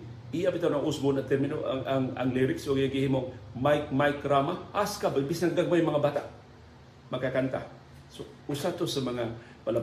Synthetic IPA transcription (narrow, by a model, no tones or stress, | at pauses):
ʔijapɪt̪anaʔʊsbʊnɐt̪ɛɾmɪnoʔa̰aŋɐ̰ŋliɾɪksoɡijaɡɪhimoŋmajk̚majkɾamahaskabaɪmbisnɐɡaɡ̚majʊmɐŋabaːt̪aʔ | mɐɡkakant̪a̰ | so | usat̪osɐmɐŋa | pɐla